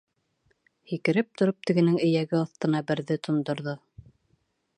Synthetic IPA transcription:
hikɘ̆ɾɘp̚t̪ŏɾop̚t̪ɘ̆ɡɘ̆nɘŋɘ̆jæɡɘɑθt̪ɤ̆nɑbɘ̆ɾðɘt̪ʰŏnd̪ŏɾðo

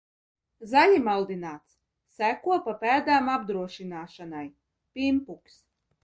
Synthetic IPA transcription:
zaʎʲimalˠd̪inaːt̪s | sækuɔpapæːd̪aːmab̚d̪ɾuɔʃinaːʃanaj | pʲimpuks

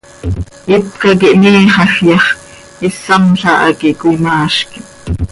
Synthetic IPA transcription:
it̪kɑkiʔniːχɑxjɑχ | isɑmɬɑʔɑ̰kiʔkʷinɑːʃki

